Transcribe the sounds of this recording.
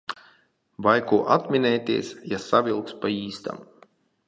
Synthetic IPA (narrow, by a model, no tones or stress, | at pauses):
vajkuːʔat̪mʲinɛjt̪ʲiɛsjasavʲilˠkspaiːst̪a̰m